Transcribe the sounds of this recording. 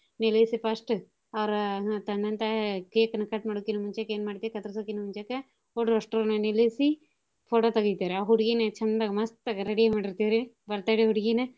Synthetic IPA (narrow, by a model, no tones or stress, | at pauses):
nilesipɐsʈɨ | ɐʋɐɾɐt̪ɐɳɖɐnt̪ɐkeːkɐnɐkɐʈmaːɽokːinɐmuɲt͡ʃakeːnmaːɽit̪ekɐt̪ɾɐsokːinɐmuɲt͡ʃaːkɐ | oːɽɾɐʂʈɾoːnɐnilesi | pʰoːʈoːt̪ɐɡit̪iaːɾeaɦuɽiɡinɐt͡ʃɐmːɐd̪aːɡɐmɐst̪ɐɡɐɾeɽijemaːɽiɾt̪iaɾe | bɐɾt̪aːjɽiɦuɽiɡinɐ